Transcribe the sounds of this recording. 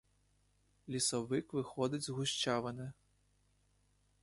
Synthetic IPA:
lʲisɔvɨkvɨxɔd̪ɐd͡zʲzɣuɕʲt͡ʃavɐnɨ

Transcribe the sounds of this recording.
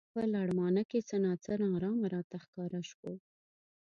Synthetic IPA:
pəlaɽmɑnəket͡sənɑt͡səɾɑɾɑmaɾɑt̪axkɑɾaʃwo

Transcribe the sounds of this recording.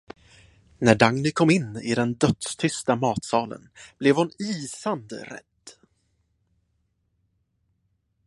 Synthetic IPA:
næɖaŋnɪkʰɔmːɪnːɪ̰d̪ɛnd̪œt̪st̪ʰʏst̪amɑːt̪sɑːlə̰nb̥lɛvhʊniːsand̪ə̰ɾɛ̰d̪̥

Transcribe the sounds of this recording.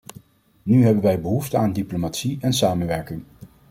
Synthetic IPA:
nyɦɛbənʋɛjbəɦuftəaːndiplomaːtsiɛnsaːmənʋɛɹkɪŋ

